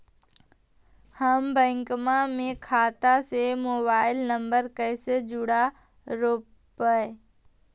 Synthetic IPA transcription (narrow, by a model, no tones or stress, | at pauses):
həmbə̃ŋkmamẽkʰaːt̪asemoːbaːɪlnəmbəɾkəːsed͡ʒʊɽa | ɾoː | pəe